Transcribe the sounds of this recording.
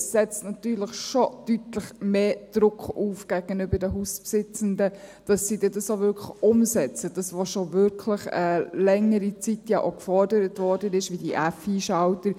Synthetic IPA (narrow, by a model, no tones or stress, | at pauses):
sɛt͡stnɑt̪yːɾləχʃod̥ytləχmeːd̥ɾʊkχuːfɡ̥æɡ̥ənʏbədəɦuspsɪt͡səndəd̥ɑsːid̥iːdɑsovʏɾkʰləχʊmsɛt͡səd̥ɑsʋoʃovʏɾkʰləχəlɛŋəɾit͡sitjɑʔokfɔrdəɾətvɔɾdənɪʃʋiːdiʔæfiːʃɑʊtəɾ